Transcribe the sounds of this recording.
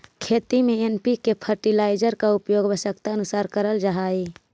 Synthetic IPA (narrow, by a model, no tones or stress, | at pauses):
kʰeːt̪imẽenpikepʰəɾʈilaːɪd͡ʒəɾkaʊpjoːɡbəsək̚t̪aənʊsaːɾkəɾəld͡ʒaɦaːi